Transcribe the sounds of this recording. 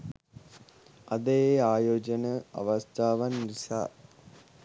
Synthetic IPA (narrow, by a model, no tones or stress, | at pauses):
ɐd̪ejeaːjoːd͡ʒənəa̰ʋast̪ʰaːʋanɾisa̰ː